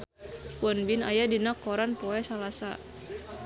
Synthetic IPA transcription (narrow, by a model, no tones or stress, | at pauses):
wɔnbinajadinakɔɾanpɔɛsalasa̰